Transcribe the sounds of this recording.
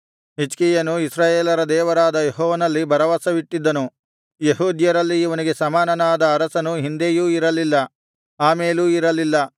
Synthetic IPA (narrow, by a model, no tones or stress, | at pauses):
ɦit͡ʃkijɐnuisɾaːjeːlɐɾɐd̪ɛːʋɐɾaːd̪ɐjeɦɔːʋɐnɐlːibʱɐɾɐʋasɐʋiʈːid̪ːɐnu | jeɦuːd̪jɐɾɐlːiːʋɐniɡesɐmaːnɐnaːd̪ɐːɾɐsɐnuɦind̪ejuːiɾɐlilːɐ | aːmeːluːiɾɐlːilːɐ